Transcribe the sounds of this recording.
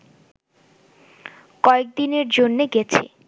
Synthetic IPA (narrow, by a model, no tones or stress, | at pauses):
kɔek̚d̪ineɾd͡ʑonːeɡɛt͡ɕʰḛ